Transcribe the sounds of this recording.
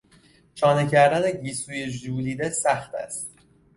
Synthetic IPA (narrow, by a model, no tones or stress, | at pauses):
t͡ʃʰɒːnecʰæɾd̪æneɟiːsuːje̞ʒuːliːd̪esæxt̪æ̰st̪